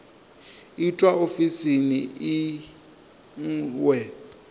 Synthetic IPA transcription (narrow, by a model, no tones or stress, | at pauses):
itʼwaofisinii | ŋ̩wɛ